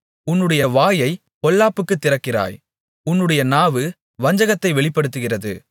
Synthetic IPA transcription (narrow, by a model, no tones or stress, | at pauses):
ʊnːɯɽɐjɐʋaːjɐɪ | pɔlːaːpːɯkːɯt̪ːɪrɐkːɪra̰ːj | ʊnːɯɽɐjɐnaːʋɯ | ʋɐɲd͡ʒɐɣɐt̪ːɐɪʋɛɭɪpːɐɽɯt̪ːɯɣɪrɐðɯ̰